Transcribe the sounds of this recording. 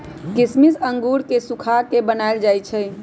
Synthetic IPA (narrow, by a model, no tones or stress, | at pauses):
kismisəŋɡuɾkesukʰakebənaeld͡ʒajt͡ʃʰəj